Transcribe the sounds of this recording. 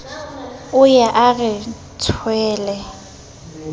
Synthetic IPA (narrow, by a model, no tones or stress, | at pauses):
ʊjaʔaɣɪ | t͡sʰwɛːlɛ